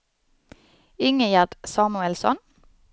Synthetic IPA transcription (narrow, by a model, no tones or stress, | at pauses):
ʏŋəjæd̪sɑːmʉɛlsɔ̰n